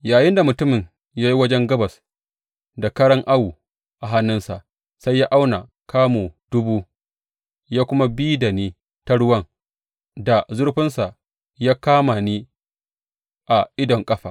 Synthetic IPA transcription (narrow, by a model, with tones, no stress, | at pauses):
jaː˨jɪ˦nda˨mʊ˨tʊ˦mɪ˨ŋ | jaː˦ji˦wɐ˦d͡ʒɛ˦ŋɡɐ˦bɐ˨s | da˨kɐ˦ɽɐ˦ŋʔa˦wu˨ | ʔa˨ɦa˦nːɪ˦nsa̰˨ʔ | sa˦jːaː˦ʔa˦wna˨ | kʰaː˦moː˨d̥ʊ˦buː˦ | jaː˦kʷʊ˦ma˦biː˦da˨neː˦ | ta˦ɽʊ˦wɐ˦ŋ | da˨zʊ˦ɽɸɪ˦nsa˨ʔ | jaː˦kaː˦ma˨niː˦ | ʔa˨ʔɪ˦dɔ˨ŋkʼɐ˦ɸaː˨